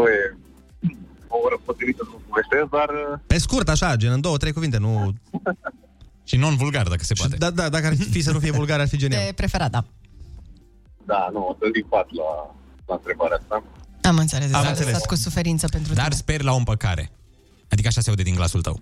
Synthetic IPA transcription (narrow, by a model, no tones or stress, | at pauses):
oje | oɾəpot̪ɾivit̪əsəupuvest̪esd̪arpe̞skurt̪aʃad͡ʒeɨnd̪o̞wot̪ɾejkuvint̪enu | ʃino̞nvulɡard̪akə̥se̞paed̪ad̪ad̪akəarfis̬ənufijevulɡaɾarfid͡ʒeniaepɾe̞fe̞ɾat̪̚d̪a | d̪anuat̪ɨnd̪ipat̪la̰ | laɨnt̪ɾebaɾeast̪aamɨnt̪selesd̪aeɨnsesleatt̪kusufe̞ɾint̪səpe̞nt̪ɾud̪arsperʲlaompəka̰ɾḛ | ad̪ikəaʃaseaud̪ed̪iŋɡla̰sult̪ə̰w